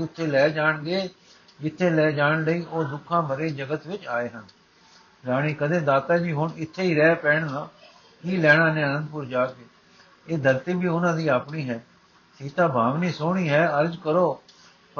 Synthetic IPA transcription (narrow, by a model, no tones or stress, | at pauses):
ʊt̪ʰːeːlɛːd͡ʒaːɳɡeː | d͡ʒɪt̪ʰːeːlɛːd͡ʒaːɳləiːʔoːd̪ʊkʰːãːbʱəɾeːd͡ʒəɡət̪ʋɪt͡ʃaːeːɦən | d͡ʒaːɽ̃iːkəd̪eːd̪aːt̪aːd͡ʒiːɦʊɳɪt̪ʰːeːiːɾɛːpɛːɳnãː | kiːlɛːɽ̃ãːnẽːənə̃nd̪pʊɾd͡ʒaːkeː | eːd̪əɾt̪iːbʱiːʊnãːd̪iːaːpɳiːɦɛː | siːt̪ãːbʱaːʋniːsoːɳiːɦɛːəɾd͡ʒkəɾoː | p